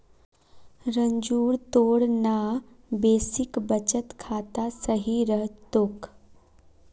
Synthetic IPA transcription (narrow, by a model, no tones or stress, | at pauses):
ɾəɲd͡ʒuːɾt̪oːɽna | beːsɪkbət͡ʃət̪kʰaːt̪asəɦiɾəɦt̪ok